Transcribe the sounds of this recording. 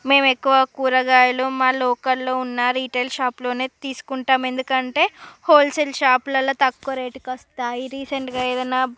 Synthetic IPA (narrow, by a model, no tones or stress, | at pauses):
me̞ːmekːuʋɐkuːɾɐɡaːjɐloːmaːlɔːkɐlːoːunːaːɾiːʈeːlʃaːplo̞ːne̞ːt̪iːsu̥kuɳʈaːme̞nd̪ukɐɳʈe̞ːhoːlselʃaːplɐlːɐːt̪ɐkːoɾeːʈikɐst̪aːiɾiːseɳʈɡaːeːd̪ɐnːaː